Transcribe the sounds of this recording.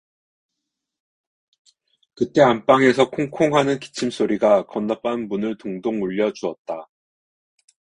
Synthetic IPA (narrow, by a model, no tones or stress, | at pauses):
kɯt͈e̞amp͈aŋe̞sʰʌkʰoŋkʰoŋɦanɯnki̥t͡ɕʰims͈ʰoɾiɡakʌnːap͈̚anmunɯɭtoŋdoŋuʎːʌd͡ʑuʌt̚t͈a